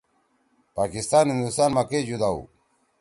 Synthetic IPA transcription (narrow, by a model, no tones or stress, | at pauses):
paːkist̪aːnhĩnd̪ust̪aːnmaked͡ʑud̪aːṵ